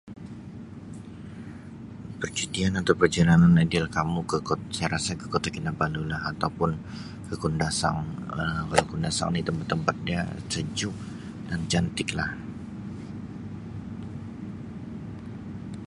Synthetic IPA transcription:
pərt͡ʃudianat̪awpərd͡ʒalananadɪlkamukəosajɾasakəkot̪akinabalulaɦat̪awpʊn | kəkundasa̰ŋəkəkundasa̰ŋdit̪əmpat̪ːəmpat̪̚dia̰səd͡ʒʊk̚ | dand͡ʒant̪ɪklah

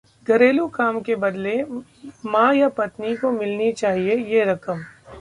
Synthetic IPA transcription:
ɡɐɾeːlukaːmkebɐd̪le | mãːjapɐt̪nikomɪlnit͡ʃaːɦiejeɾɐkəm

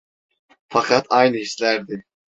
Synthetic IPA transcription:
fɑqʰɑt̪ʰɑjnɯhislæɾd̪i

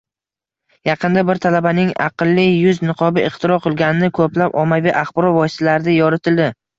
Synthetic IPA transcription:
jɑqʰɨnd̪abɪɾt̪ʰalabanɪŋɑ̰qɨlˠːɪjʊznɪqʰɒbɪɪχt̪ʰɪɾɒqʰɨlˠɡʲanɪnɪkʰɵplapɒmaviʔaχbɒɾɒvɒjɪst̪alaɾɪd̪ajɒɾɪt̪ʰɪld̪ɪ

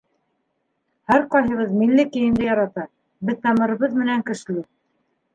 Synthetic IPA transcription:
hæɾqɑjɦɤ̆βɤðmilːɘkɘ̆jɘ̆nd̪ɘjɑɾɑt̪ɑ | bɘðt̪ɑmɤ̆ɾɤ̆βɤðmɘ̆næŋkɘ̆ʃɘ̆lɘ

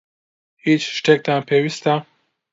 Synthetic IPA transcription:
it͡ʃʃtek̚t̪ʰanpʰewist̪a

